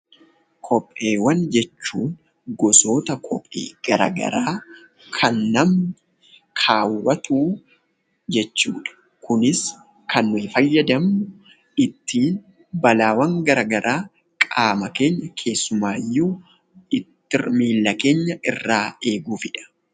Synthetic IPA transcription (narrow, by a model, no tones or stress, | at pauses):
kʰɔpʼːe̞ːwɐnd͡ʒɛt͡ʃːuːn | ɡɔso̞ːt̪ɐkʰɔpʼːḛːɡ̥ɐɾa̰ɡɐ̰ɾaː | kʰɐnːɐm | kʰaːwːɐt̪ʰuː | d͡ʒɛt͡ʃːṵːᶑɐ̥ | kʊnɪs | kʰɐnːʊɪfɐjːɐd̪ɐmːʊ | ɪt̪ːiːn | bɐlaːwɐŋɡɐɾɐɡɐɾʔaː | kʼaːmɐke̞ːɲːɐkʰe̞ːsːʊmaːjːu | ɪt̪ːɪrmiːlːɐke̞ːɲːɐɪrːaːe̞ːɡuːfɪᶑɐ̥